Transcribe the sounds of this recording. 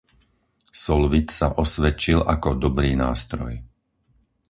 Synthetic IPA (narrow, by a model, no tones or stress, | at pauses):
sɔlʋit̪sa̰ʔɔsʋɛt͡ʃilʔakɔd̪ɔbɾiːnaːst̪ɾɔ̰j